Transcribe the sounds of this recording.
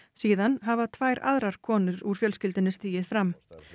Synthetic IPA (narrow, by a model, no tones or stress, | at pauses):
siːðanɦavat̪ʰvajɾa̰ðɾaɾ̥kʰɔːnʏɾuɾ̥fjœlscɪlt̪ɪnːɪst̪iːjɪðfɾam